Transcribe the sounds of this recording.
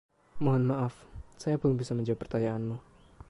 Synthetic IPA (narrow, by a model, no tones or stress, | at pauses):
moɦɔnmaʔafsajabʊlŋbisaməɲd͡ʒaipərt̪ajaanmu